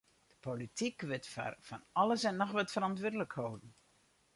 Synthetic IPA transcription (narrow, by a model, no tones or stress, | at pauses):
d̥əpolitikʋɪtffanɑləsɛnːɔxʋɛtfərɑntʋʊdələkhowdn̩